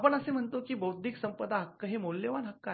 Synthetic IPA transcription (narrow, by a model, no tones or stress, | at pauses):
pəɳəsem̤əɳt̪okiːbəwd̪ʱiksəmpəd̪ʱaɦəkːəɦemolːeʋanɦəkːə